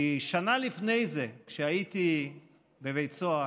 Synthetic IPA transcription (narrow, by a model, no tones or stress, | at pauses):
ʃanalifnejzekʃeait̪i | bevejt͡soa